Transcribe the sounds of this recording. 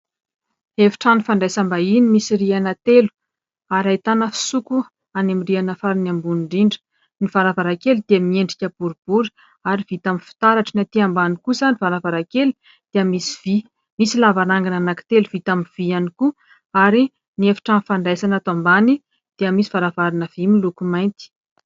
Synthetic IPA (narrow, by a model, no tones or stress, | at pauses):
efi̥ʈ͡ʂanifaɳɖ͡ʐajsambainimisirianat̪elu̥ | aɾajt̪anəfi̥suku | anamirianəfaɾinambunɳɖ͡ʐiɳɖ͡ʐə̥ | nivaɾavaɾakelud̪̥eamieɳɖ͡ʐikʲəb̥uɾub̥uɾi̥ | aɾivit̪aminfi̥t̪aɾaʈ͡ʂinat̪iambanikusanivaɾavaɾakeli | d̪̥eəmisi̥vi | misilavaɾaŋɡananaki̥t̪eluv̥it̪amiv̥ianiku | aɾi | niefi̥ʈ͡ʂanfaɳɖ͡ʐajsanat̪ambani | d̪̥eəmisivaɾavaɾinəv̥imilukumajnt̪i̥